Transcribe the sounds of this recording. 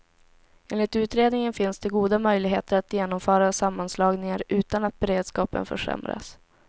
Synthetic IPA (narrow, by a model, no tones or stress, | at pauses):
ʔeːnlɪt̪ʉ̟ːt̪ɾeːd̪nɪŋənfɪnsd̪ɛɡuːd̪amœjlɪɡɦeːt̪əɾat̪jeːnɔmfœːɾasamːanslɑːɡnɪŋaɾʉ̟ːt̪anat̪̚bɛɾeːd̪skɑːpə̰nfœ̰ʂɛ̰mɾa̰s